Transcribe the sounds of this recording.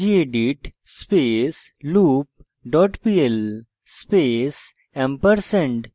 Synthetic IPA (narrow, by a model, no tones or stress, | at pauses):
ieɖiʈ | speːsluːp̚ | ɖɔːʈpiel | speːs | ɛ̃mpəɾsə̃ɳɖ